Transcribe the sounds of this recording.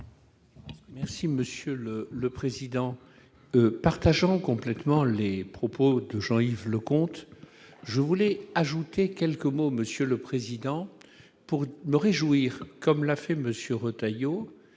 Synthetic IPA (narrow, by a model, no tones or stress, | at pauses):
mɛʁsiməsjølələpχezid̪ɑ̃ | paʁt̪aʒɑ̃kɔ̃plɛt̪mɑ̃lepχɔpod̪əʒɑ̃ivləkɔ̃t̪ | ʒəvulɛaʒut̪ekʲɛlkəmoməsjøləpχezid̪ɑ̃ | puʁməʁeʒuiʁkɔmlafɛməsjøʁot̪ajo